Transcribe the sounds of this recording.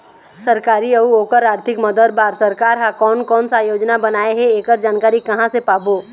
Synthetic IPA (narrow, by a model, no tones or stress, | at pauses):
sɐɾkaːɾiɐuoːkəɾaːɾt̪ʰɪkmɐd̪əd̪̚baːɾsɐɾkaːɾɦakɔːnkɔːnsaːjoːd͡ʒnabɐnaːeɦɛeːkəɾd͡ʒaːnkaːɾikɐɦãsepaːboː